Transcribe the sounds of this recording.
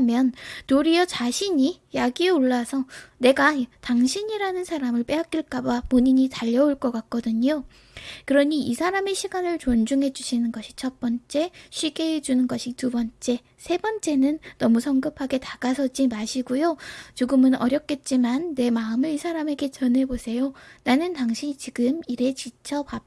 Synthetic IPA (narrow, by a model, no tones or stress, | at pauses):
mjʌnːnoɾijʌt͡ɕaɕʰiɲijaɡieoɭːasʰʌne̞ɡataŋɕʰiɲiɾanɯnsʰaɾamɯɭp͈e̞ɦak͈iɭk͈abapuɲiɲitaʎːʌuɭk͈ʌk͈ak̚k͈ʌdɯɲo | kɯɾʌɲiisʰaɾame̞ɕʰiɡanɯɭt͡ɕond͡ʑuŋɦe̞d͡ʑuɕʰinɯnɡʌɕʰi̥t͡ɕʰʌt̚p͈ʌnt͡ɕ͈e̞ɕʰɥiɡe̞ed͡ʑunɯnɡʌɕʰitubʌnt͡ɕ͈e̞ | sʰe̞bʌnt͡ɕ͈e̞nɯnːʌmusʰʌŋɡɯpʰaɡe̞taɡ̥asʰʌd͡ʑimaɕʰiɡujot͡ɕoɡɯmɯnʌ̰ɾjʌp̚k͈e̞t̚t͡ɕ͈imanːe̞maɯmɯɾisʰaɾame̞ɡe̞t͡ɕʌnɦe̞bosʰe̞jonanɯntaŋɕʰiɲit͡ɕiɡɯmiɾe̞t͡ɕit͡ɕʰʌpa